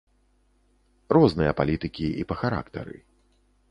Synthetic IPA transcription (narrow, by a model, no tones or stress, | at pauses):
rɔznɨjɐpalʲit̪ɨkʲiipɐxaɾa̰kt̪ɐ̰ɾɨ̰